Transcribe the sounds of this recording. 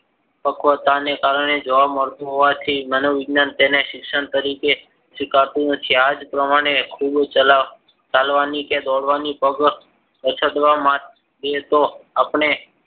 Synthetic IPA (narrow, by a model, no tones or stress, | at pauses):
pəkʰʋət̪anekaɾəɳ̃ed͡ʒəʋaməɾt̪uɦoʋat̪ʰimənoʋɪɡnant̪eneʃɪkʃəɳt̪əɾike | ʃɪkaɾt̪unət̪ʰiad͡ʒpɾəmaɽ̃ekʰubt͡ʃ | t͡ʃalʋaniked̪ɔɽʋanipəɡ | ət͡ʃʰəd̪ʋamãt̪ | d̪et̪oapɳ̃e